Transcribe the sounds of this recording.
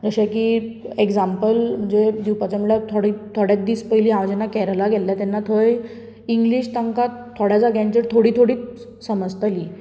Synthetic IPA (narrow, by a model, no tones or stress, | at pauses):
d͡zəɕakiːekd͡zampəlm̤əɳd͡zed̪iwpat͡ɕamiɭat̪ʰoɽiːt̪ʰoɽjad̪iːspəjliːaʋd͡ʑənːakɛɾəlaɡʱɛlːat̪ɛnːat̪ʰoj | iŋɡliːɕt̪əŋkat̪ʰːoɽjat͡saɡãɲt͡ɕəɾt̪ʰoɽiːt̪ʰoɽiː | səməd͡zt̪aliː